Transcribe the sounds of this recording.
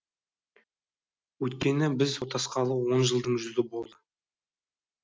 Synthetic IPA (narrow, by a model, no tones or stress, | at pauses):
wɵjt̪kʲe̞nɪbɪzwot̪ɑsqɑlˠəwo̞nʒəlˠd̪əɴʒʏzɪbo̞lˠd̪ə